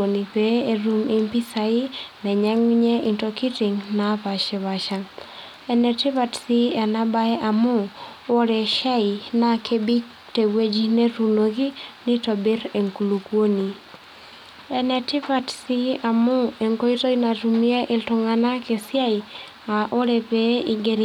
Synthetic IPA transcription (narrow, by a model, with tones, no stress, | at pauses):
o˨ni˨pee˨ɾu˨mi˦mpi˦sa˨i˦nɛ˨ɲɛ˦ŋɲɛ˦i˨ntoki˦ti˨ŋna˨pa˨ʃɛ˨βa˨ʃa˨ | ɛ˨nɛ˨tɪ˦va˨tsi˦ɛ˨na˦ba˦ɛ˦ʔa˨mʊ˦ | ɔ˦ɾɛ˨ʃa˦i˨na˨kʰe˦bi˦k | te˨we˦d͡ʒi˦ne˦tu˨no˨ki˦nɪ˦to˨bi˦ɾe˨ŋku˨lukwo˦ni˨ | ɛ˨nɛ˨tɪ˦va˦tsi˦a˨mʊ˦e˨ŋko˦i˦to˦ina˨tu˨mi˦e˦ʔɪ˨ltʊ˨ŋa˨na˦ke˨sja˦i | a˨ʔo˦ɾe˨pe˦i˨ɡeɾ